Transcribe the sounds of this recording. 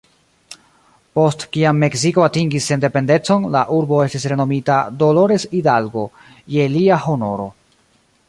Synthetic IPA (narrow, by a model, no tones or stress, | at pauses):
po̞stkiamːe̞ksiko̞atiŋɡisːe̞nde̞pe̞nde̞t͡so̞nlaʔuɾbo̞e̞stisɾe̞no̞mitado̞lo̞ɾe̞sidalɡo̞ | je̞liaho̞no̞̰ɾo̞